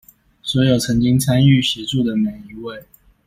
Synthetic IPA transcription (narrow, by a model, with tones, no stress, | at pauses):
swɔ˧˥jo˨˩ʊt͡sʰɤ˧˥ŋt͡ɕi˥ŋt͡sʰa˥ny˥˩ɕjɛ˧˥ʈ͡ʂu˥˩d̪ə˩me˨˩ɪi˧˥we˥˩ɪ